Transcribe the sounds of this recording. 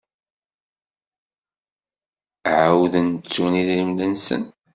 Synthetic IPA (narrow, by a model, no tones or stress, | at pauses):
ʕawðənt͡sːuniðɾimlənsə̰n